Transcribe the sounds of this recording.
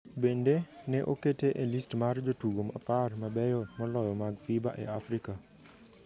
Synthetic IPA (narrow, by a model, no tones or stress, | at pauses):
bendenɛʔoketeʔelistmard͡ʒotuɡoma̰parmabɛjɔmɔlɔjɔmaɡfiba̰ʔɛ̰afɾika